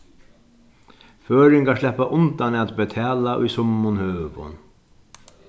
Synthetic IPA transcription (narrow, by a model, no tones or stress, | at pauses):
føːɾɪŋkaʂlɛhpːaʔʊnt̪anɛt̪bɛt̪ʰɛːlaʔʊ̰jsʊmːʊnhøːpʊ̰n